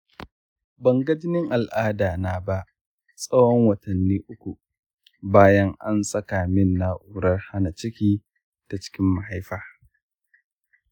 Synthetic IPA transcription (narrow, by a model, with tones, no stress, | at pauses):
bɐ˨ŋɡɐ˦d͡ʒɪ˦nɪ˦ŋʔa˨lʔaː˦daː˨naː˨ba˦ʔ | sʼɐ˦wɔ˦ŋwɐ˨tɐ˨nːiː˦ʔʊ˦kʷu˨ | baː˦jɐ˦ŋʔa˦nsʼɐ˦kaː˨mɪ˦nːa˦ʔuː˦ɾɐ˦rha˦na˨t͡ʃɪ˦kʲiː˦ | d̥a˨t͡ʃɪ̥˦kʲɪ˦mːa˨ha˦jɸaː˨